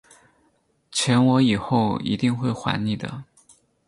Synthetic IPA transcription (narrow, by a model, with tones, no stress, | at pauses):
t͡ɕʰjɛ˧˥nwɔ˧˥i˨˩xo˥˩ʊḭ˧˥t̪i˥˧ŋxwe˥˩ɪxwa̰˧˥nni˨˩d̪ə̰˩